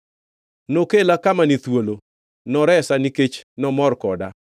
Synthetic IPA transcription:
nokelakamanit̪wolo | nɔɾɛsaniket͡ʃnɔmɔrkɔda

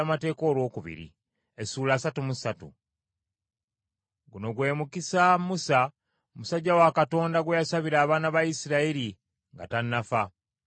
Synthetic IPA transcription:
amate̞ːko̞ːlwo̞ːkuβḭɾḭ | esuːlaːsatumusatṵ | ɡuno̞ɡwe̞ːmukisamusa | musaɟːawakato̞ːndaɡwejasaβiɾaːβaːnaβajisiɾaiɾi | ŋɡa̰tanːafa

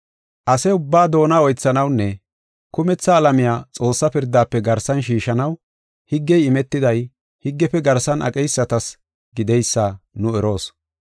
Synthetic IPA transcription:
ʔɐsɛʊbːaːd̪o̞ːnaɔjt͡sːɐnɐwnːɛ | kʊmɛt͡sːɐːlɐmɪjaːt͡sʼo̞ːsːɐpɪɾd̪ːaːpːɛɡɐɾsɐnʃ̬iːʃɐnɐw | hɪɡːɛjɪmɛt̪ːɪd̪ɐj | hɪɡːɛpɛɡɐɾsɐnʔɐ̰kʼɛjsːɐt̪ɐs | ɡɪd̪ɛjsːanʊɛɾo̞ːs

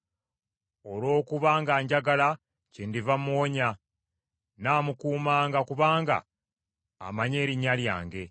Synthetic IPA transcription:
o̞lo̞ːkuβaːŋɡaɲɟaɡala | cindivamuoɲa | naːmukuːmaːŋɡakuβaːŋɡa̰ː | maɲe̞ːɾiɲːalja̰ːŋɡe̞

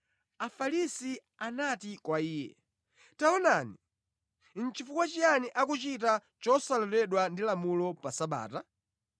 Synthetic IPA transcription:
afalisi | anatikwaiːjɛ̰ | taɔnani | n̩t͡ʃifukwat͡ʃijaniʔakut͡ʃita | t͡ʃɔsalɔtɛɗwandilamulɔpasaɓa̰ːta

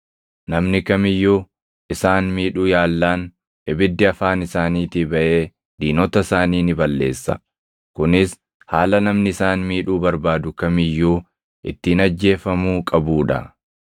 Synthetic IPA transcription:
nɐmnɪkɐmɪjːuː | ʔɪsaːnmiːᶑuːjaːlːaːn | ɛbɪd̪ːɪɐfaːnɪsaːniːt̪ɪbɐʔe̞ː | d̪iːnɔt̪ɐsaːniːnɪbɐlːe̞ːsːɐ̰ | kʊnɪs | haːlɐnɐmnɪɪsaːnmiːᶑuːbɐɾbaːd̪ʊkɐmɪjːuː | ʔɪ̰t̪ːiːnɐd͡ʒːe̞ːfɐmuːkʼɐbuːᶑɐ̰

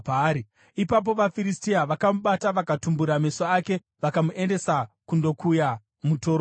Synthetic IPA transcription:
pːɾi | ipap̬o̞ʋafiɾistiaʋakamuɓataʋakatumbuɾamesoake̞ | ʋakamuʔe̞nde̞sakundo̞kuja | mutoːɾo

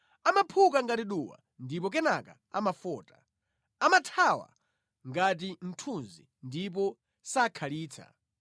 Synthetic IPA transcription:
amapʰukaŋɡatiɗuwa̰ | ndipɔk̬ɛnaka̰ | amafɔːtḁ | amatʰawa̰ | ŋɡat̬in̩tʰunzi | ndip̬ɔ | sakʰaliːt͡sʰa̰

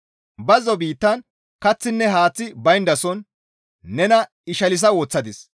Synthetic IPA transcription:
bɐzɔbiːt̪ːɐn | kɐt͡sːɪnːɛɦaːt͡sːɪbɐjnd̪ɐsɔnː | ɛnɐ | ɪʃɐlɪs̬ɐwoːt͡sːɐd̪ɪs

